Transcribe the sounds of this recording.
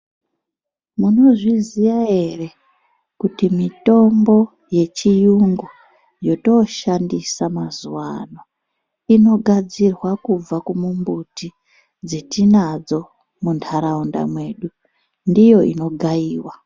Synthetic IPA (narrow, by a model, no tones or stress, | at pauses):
muno̞ʐizijae̞re̞ | kutimito̞mbo̞ | je̞t͡ʃijuŋɡu | jo̞to̞ʃandisamazuwano̞ | ino̞ɡʱad͡zirwakub͡vakumumbuti | d͡zetinad͡zo̞ | muntʰaɾaunda̰mwe̞ːɗu | ndijo̞ʔḭno̞ɡʱaiːwa